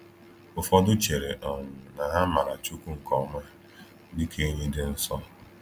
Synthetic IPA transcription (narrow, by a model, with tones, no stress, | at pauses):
ʊ˨fɔ˦dʊ˦t͡ʃe˨ɾe˨ʔɔ˨nʊ˨na˨ɦa˦ma˨ɾa˨t͡ʃu˦ku˦ŋ̩˨kɔ˨ma˦ | dɪ˦kʰe˦ɲe˦dɪ˦n̩˦sɔ˦